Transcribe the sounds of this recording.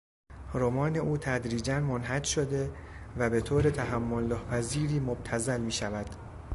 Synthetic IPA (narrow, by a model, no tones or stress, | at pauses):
ɾomɒːne̞ʔuːt̪ʰæd̪ɾiːd͡ʒænmonɦæd͡ʒʃod̪e̞ | væbe̞t̪ʰoːɾet̪ʰæɦæmːolːɒːhpʰæziːɾiːmob̥̚t̪ʰæzælmiːʃævæd̪̥